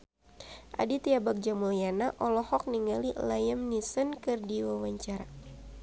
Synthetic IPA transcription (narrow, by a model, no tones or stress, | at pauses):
ʔa̰dit̪iabak̚d͡ʒamuljanaʔɔlɔhɔk̚niŋalilajəmnisənkɨrdiwawaɲt͡ʃaɾa